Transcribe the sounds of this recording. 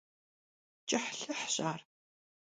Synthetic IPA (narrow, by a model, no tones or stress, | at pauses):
t͡ʃʼɐħɬɐħɕʼaːr